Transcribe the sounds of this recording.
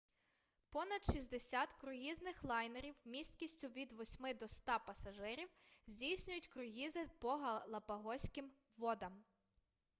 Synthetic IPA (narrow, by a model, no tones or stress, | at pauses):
pɔnɐd̪ʃizʲd̪esʲat̪kɾʊɦiznɪxlˠɑjneɾʲiwmʲist̪kʲisʲtʲʊʋʲid̪ʋɔsʲmɪd̪ɔst̪ɑpɐsɐʒɪɾʲiwzʲdʲijsʲnʲʊjʊtʲkɾʊɦizɪpɔɦɐlˠɐpɐɦɔsʲkɪm | ʋɔd̪ɐm